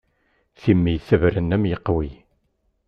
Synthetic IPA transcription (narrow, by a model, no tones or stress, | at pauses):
θimːijθəvɾənːæmjəqːwi